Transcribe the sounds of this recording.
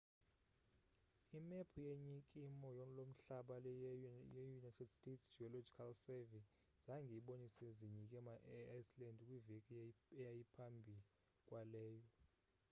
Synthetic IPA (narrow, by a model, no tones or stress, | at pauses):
imɛpʰujeɲikʼimɔjɔlom̩ɬaɓalɛjɛjunajtʰɛdstʼetʰsd͡ʒiɔlod͡ʒikʰalsɛvi | z̥aŋɡʱiɓoniseziɲik̬ʼɛmaʔɛajslɛndkʼwivɛkʼɛjajipʰambʱi | kʼwalɛːjɔ